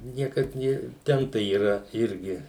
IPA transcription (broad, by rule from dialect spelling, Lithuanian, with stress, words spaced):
ˈnʲiɛkɐt ˈnʲeː ˈtʲɛn tɐɪ iːˈrɐ ˈɪrʲɡʲɪ